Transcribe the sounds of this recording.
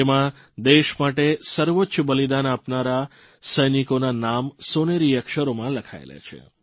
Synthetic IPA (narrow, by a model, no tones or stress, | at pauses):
emã | d̪eʃmaʈesəɾʋotːʃəbəlid̪anapnaɾa | səjnikonanamsoneɾiəkʃəɾomãləkʰa̰ḛlḛt͡ʃʰḛ